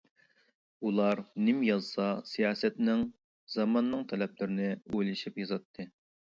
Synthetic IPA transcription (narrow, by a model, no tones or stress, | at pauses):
ulˠɑɾnɪmjɑzsɑsijɑːsɛt̪nɪŋ | zɑmɑnːɨŋt̪ʰɛlɛplɪɾɪnɪojlɪʃipjɑzɑt̪ʰːɨ